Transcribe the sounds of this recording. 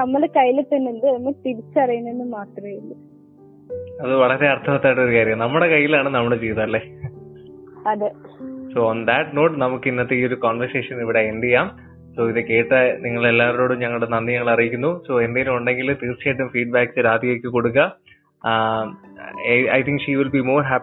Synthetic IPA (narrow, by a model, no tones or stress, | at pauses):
nɐmːɐɽekɐjːilet̪ːɐnːind̪ɨnɐmːɐt̪iɾit͡ɕːɨɐrɐjunenːɨmaːt̪rɐejunɖɨ | ɐðɨʋɐɭɐɾe̞ɐrt̪ʰɐʋɐt̪ːaːjiʈːoɾukaːɾjɐmnɐmːuɽe̞kɐjːilaːɳɨnɐmːɐɭɨt͡ɕejt̪ːɐɐlːeː | ɐðɨsoond̪ɐʈno̞ːʈnɐmukːinːɐt̪ːeiːo̞ɾukoːnʋɐrseːʂɐniʋiɽeend̪ijaːm | so̞ːiðeke̞ːʈːɐniŋːɐɭe̞lːaːɾɾo̞ːɽumɲɐŋːɐɭɽenɐnːiɲɐŋːɐɭɐrijikʲːunːuso̞ːe̞nd̪eŋilumuɳɖe̞ŋɡilt̪iːrt͡ɕːeːʈːumfiːɖ̚baːksɨɾaːd̪ijoːkːɨko̞ɽuk̬ːɐ | jɐ̰jt̪ʰiŋkʂiːʋilbimo̞ːrɦaːp